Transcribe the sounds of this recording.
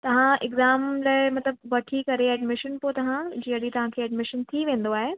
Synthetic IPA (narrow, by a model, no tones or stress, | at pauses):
t̪ɐʋ̤ãɪɡzaːmlaːɪmɐt̪ləbʋɐʈʰikɐɾeɛːɖmɪʃənpot̪ɐʋ̤ãd͡ʑiːəɗit̪ɐʋ̤ãkʰeːɛːɖmɪʃənt̪ʰiʋẽːn̆d̪oaːɦe